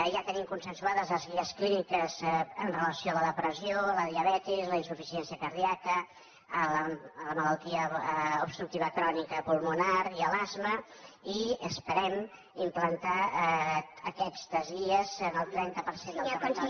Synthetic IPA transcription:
ʒat̪ənimkunsənsuaðəzləzɣiəsklinikəzənrələsioələðəpɾəsioləðiəβɛt̪izləinsufisiɛnsiəkəɾðiakəː | lələmələlˠt̪iəubst̪ɾuk̚t̪iβəkɾɔnikəpulˠmunaɾiəlazməiəspəɾɛm | implənt̪a | əkɛst̪əzɣiəzənəlˠt̪ɾɛnt̪əpəɾsend̪

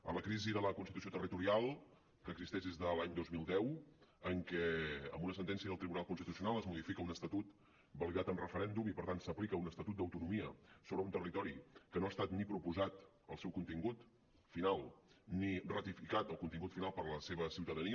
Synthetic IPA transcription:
ə̰ləkɾiziðələkunsit̪usiot̪ərit̪uɾialˠ | kəɡzist̪ɛʒd̪ezðəlaɲd̪ozmilˠd̪ɛwəŋkɛə̰mbunəsənt̪ɛnsiəðəlˠt̪ɾiβunalˠkunst̪it̪usiunalˠəzmuðifikəunəst̪ət̪ut̪ | bəlˠiɣat̪əmrəfəɾɛnd̪umipəɾt̪ansəplikəunəst̪ət̪ut̪̚d̪əwt̪unumiəsoβɾəunt̪ərit̪ɔɾikənoast̪at̪nipɾupuzat̪ | əlˠsɛwkunt̪iŋɡut̪ | finalˠnirət̪ifikat̪əlˠkunt̪iŋɡut̪finalˠpəɾləseβ̞əsiwt̪əðəniə

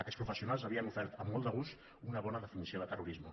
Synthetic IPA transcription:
əkɛspɾufəsiunalˠzəβiənufɛɾt̪əmːɔlˠd̪əɣ̞ust̪ | unəβɔnəðəfinisioðət̪əruɾizmə

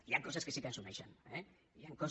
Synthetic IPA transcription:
iaŋkos̬askesik̪ansunajʃane | iaŋkos

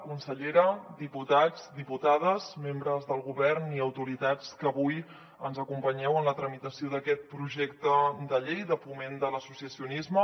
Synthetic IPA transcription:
kunsəʎeɾəd̪iput̪ad͡zd̪iput̪að̞əzmembɾəzðəlˠɣuβɛrniəwt̪uɾit̪at͡skəβuj | ənzəkumpəɲɛwənlət̪ɾəmit̪əsioðəkɛt̪̚pɾuʒɛkt̪əd̪əʎejðəfumend̪ələsusiəsiunizmə

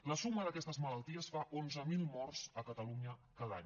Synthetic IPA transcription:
ləsuməðəkɛst̪əzmələlˠt̪iəsfaʔonzəmilˠmɔrsəkət̪əluɲəkaðaɲ

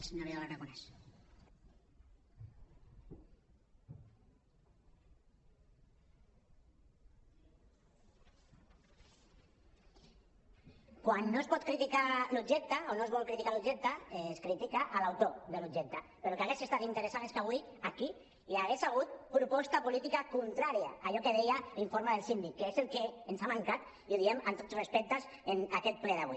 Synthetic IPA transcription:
sɲoɾialaɾakunes | kwanːoespɔt̪kɾit̪ikaluʒek̚t̪aonoezβɔlkɾit̪ikalud͡ʒek̚t̪aeskɾit̪ikaʔalawt̪od̪elud͡ʒek̚t̪apeɾokeaɣesest̪at̪int̪əɾesaneskaβwiaki | iaɣesaɣ̞ut̪̚pɾupɔst̪apulit̪ikakunt̪ɾaɾja̰aʎɔkeð̞ejaiɱfoɾmaðelsind̪ikːeezelkeːnsamaŋkat̪ | iuðiemant̪ot̪srespɛk̚t̪as | enakɛt̪̚plɛðaβi

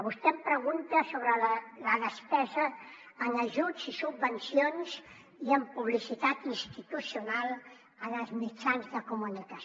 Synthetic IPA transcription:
βust̪ɛmpɾəɣunt̪əsoβɾəlləðəspɛzəː | nəʒud͡zisubːənsionz | iəmpuβlisit̪at̪inst̪it̪usiunalˠ | ənəlzmit͡ʃanzðəkumunikə

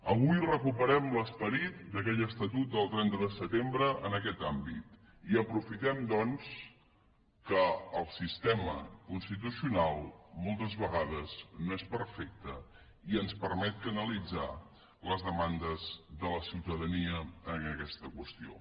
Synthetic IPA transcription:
əβ̞ujrəkupəɾɛmləspəɾit̪̚d̪əkɛʎəst̪ət̪ut̪̚d̪əlˠt̪ɾɛnt̪əðəsət̪embɾəʔənəkɛt̪ambit̪ | iəpɾufit̪ɛmd̪ɔns | kəːlˠsist̪ɛmə̰kunst̪it̪usiunalˠmɔlˠt̪əzβəɣaðəznoespəɾfɛk̚t̪ə | iənspəɾmɛt̪̚kənəlid͡za | ləzðəmand̪əzðələsiwt̪əðəniəənəkɛst̪əkwəst̪io̰

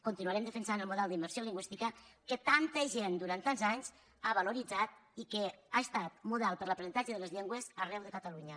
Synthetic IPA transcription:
kunt̪inuəɾɛmd̪əfənsanəlˠmuðɛlˠd̪imbəɾsioliŋɡwist̪ikəkət̪ant̪əʒend̪uɾant̪anzaɲz̥ | aβəluɾid͡zat̪̚ikəaəst̪at̪̚muðalˠpəɾləpɾəsənt̪ad͡ʒəðələzʎɛŋɡwəzərɛwðəkət̪əluɲə

